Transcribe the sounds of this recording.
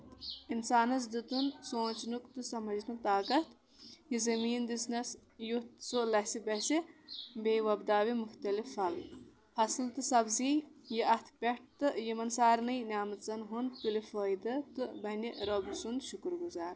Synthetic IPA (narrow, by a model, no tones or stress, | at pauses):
insaːnɐs̬d̪ɨt̪unsoːnt͡ʃnukt̪ɨsɐmɐd͡ʒnɨt̪aːkɐt̪ | jizɐmiːnd̪isnɐsjut̪solɐsibɐsibejʋɐbd̪aːʋimuxt̪ɐlifɐl | ɐslt̪ɨsɐbziːjiʔɐt̪ʰpʲeʈ̚t̪ɨjimɐnsaːɾnɨjnʲaːmɨt̪t͡sɐnɦund̪pulifoːjd̪ɐt̪ɨbɐnʲiɾobsund̪ʃukɾɡuzaːɾ